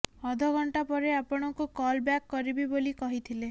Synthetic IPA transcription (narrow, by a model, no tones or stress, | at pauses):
ɔd̪ʱɔɡʱɔɳʈapɔɾeapɔɽ̃ɔkukɔlbjakːɔɾibibolikɔɦit̪ʰile